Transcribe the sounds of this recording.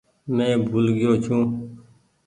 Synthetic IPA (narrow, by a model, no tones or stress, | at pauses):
nẽːbʱuːlɡɪjoːt͡ʃʰũː